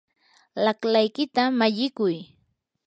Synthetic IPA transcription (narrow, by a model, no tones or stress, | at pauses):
laklajkɪt̪amaʎɪkʊj